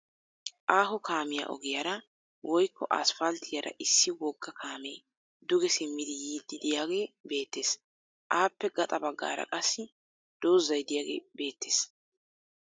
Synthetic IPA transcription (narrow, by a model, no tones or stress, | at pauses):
ʔaːɦɔkʰaːmɪja̰ʔɔ̰ɡɪjɐɾɐ | wʔɔjkːɔʔɐ̰sfɐlt̪ʰɪjɐɾʔɐ̰ʔɪsːɪwɔɡːɐkʰaːmeː | d̪ʊɡɛsɪmːɪd̪ɪjiːd̪ːɪd̪ɪjaːɡe̞ːbe̞ːt̪ːe̞ːs | ʔaːpːɛɡɐt̪ʼɐbɐɡːa̰ːɾɐ̰kʼɐsːɪ | d̪̥o̞ːzːɐjd̪ɪjaːɡe̞̰ːbe̞ːt̪ːe̥ːs